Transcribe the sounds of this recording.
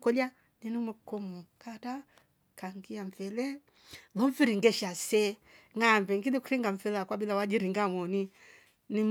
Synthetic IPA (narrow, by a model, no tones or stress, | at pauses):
kɔla | ninumɔkɔmɔkata | kaŋɡiaɱvɛlɛ | lɔɱfiɾiŋɡɛʃasɛ | ŋambɛŋɡilikuɾiŋɡaɱ̩fɛlakwabilawad͡ʒiɾiŋɡamɔni | nim